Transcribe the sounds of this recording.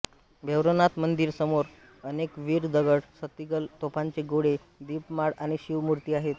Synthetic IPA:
bʱeʋɾənat̪mənd̪iːɾsəmoɾ | ənekʋiːɾd̪əɡəɽsət̪iɡəlt̪opʰaɲt͡ɕeɡoɽe | d̪iːpmaɽaɽ̃iɕiʋmuɾt̪iːaɦet̪

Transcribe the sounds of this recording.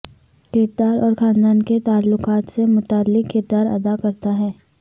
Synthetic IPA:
kɪːɾ̚d̪aːɾɔːɾxãːnd̪aːnket̪aːlːʊkaːt̪semʊt̪aːlːɪkkɪɾd̪aːɾɐ̰d̪akɐɾt̪aɦɛː

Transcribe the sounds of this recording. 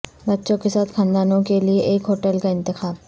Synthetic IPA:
bɐtːʃõkesaːt̪xʰãːnd̪aːnõkelieʔeːkɦoːʈəlkaɪ̃nt̪ɪxaːb

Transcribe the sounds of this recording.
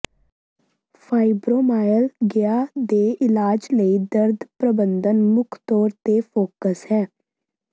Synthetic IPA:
pʰaːibɾoːmaːjəlɡɪaːd̪eːɪlaːd͡ʒləiːd̪əɾd̪pɾəbənd̪ənmʊkʰt̪ɔːɾt̪eːpʰoːkəsɦɛː

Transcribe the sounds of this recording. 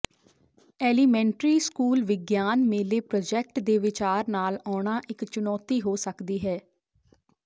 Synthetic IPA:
ɛːliːmɛ̃ːɳʈɾiːskuːlʋɪɡjaːnmeːleːpɾɔːd͡ʒɛk̚ʈd̪eːʋɪt͡ʃaːɾnaːlɔːɳ̃aːʔɪkt͡ʃʊnɔːt̪iːɦoːsəkd̪iːɦɛː

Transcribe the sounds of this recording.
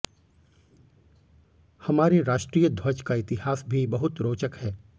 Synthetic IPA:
hɐmaːɾeɾaːʃʈɾiːjəd̪ʱwɐd͡ʒkaɪt̪ɪɦaːsbʱibɐɦʊt̪ɾoːt͡ʃəkhɛː

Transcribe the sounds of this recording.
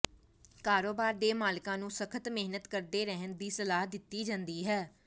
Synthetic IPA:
kaːɾoːbaːɾd̪eːmaːlkãːnũːsəkʰət̪mɪɦnət̪kəɾd̪eːɾɛɦənd̪iːsəlaːɦd̪ɪt̪ːiːd͡ʒãːnd̪iːɦɛː

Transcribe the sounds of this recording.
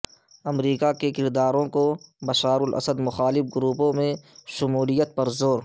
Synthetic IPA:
ɐmɾiːkakekɪɾd̪aːɾõkobɐʃaːɾʊlʔɐ̰səd̪mʊxaːlɪfɡʊɾuːpõmẽʃʊmuːlijət̪̚pɐɾzoːɾ

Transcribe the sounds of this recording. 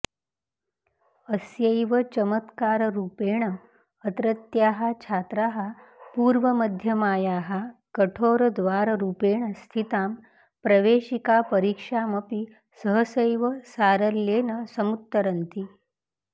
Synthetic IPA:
əsjəjʋət͡ɕəmət̪kaːɾɾuːpeːɳ̃ə | ət̪ɾət̪jaːɦat͡ʃʰat̪ɾaɦapuːɾʋəməd̪ʱjəmaːjaːɦakəʈʰoːɾd̪ʋaːɾɾuːpeːɳ̃əst̪ʰit̪aːm | pɾɐʋeɕikapəɾikʂaməpi | səɦəsəjʋəsaːɾəlːeːnəsəmut̪ːəɾənt̪i

